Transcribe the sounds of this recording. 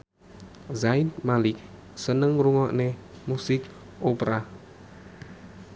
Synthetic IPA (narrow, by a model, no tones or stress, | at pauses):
zainmalɪk̚ | sənəŋruŋɔʔnemusɪk̚ | ʔopɾa